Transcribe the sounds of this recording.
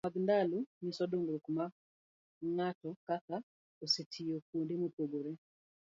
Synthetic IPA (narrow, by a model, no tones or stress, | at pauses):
maɡndalunisɔdoŋɡɾokma | ŋatɔkaka | osetʰijokwondɪmopwoɡoɾe